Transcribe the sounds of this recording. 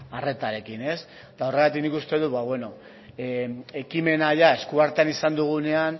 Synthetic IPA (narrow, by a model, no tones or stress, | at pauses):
are̞t̪aɾe̞kine̞s | t̪ao̞re̞ɣat̪iknikust̪e̞ð̞uβaβwe̞no̞ | e̞kime̞naʝae̞skuaɾt̪eanisand̪uɣ̞une̞an